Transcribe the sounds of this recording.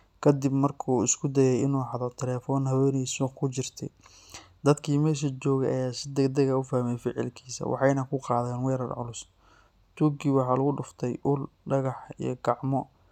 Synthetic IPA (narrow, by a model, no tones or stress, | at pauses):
kʰɐd̪ɪbmɐrkʰuːɪskʰʊd̪ɐjɛjɪnuːħʕɑðɔt̪ʰɛlɛːfɔːnɦɐwɛːnɛjsɔkʰʊt͡ʃɪrt̪ʰɛ̰j | d̪ɐd̪kʰiːmɛːʃ̬ɐt͡ʃɔːɣɛʔɐ̰jaːsɪd̪ɛɡd̪ɐɣɐʊfaːhmɛjfɪ̰ʕɪ̰lkʰiːsɐ̰wɑ̰ħɑjnɐkʰʊqɑːðɛːnwɛːɾɐrʕʊ̰lʊs | t̪ʰuːɡiːwɑħɑːlɐɣʊɖʊft̪ʰɛjʔʊlɖɐɣɑħḭjɔ̰ɡɑʕmɔ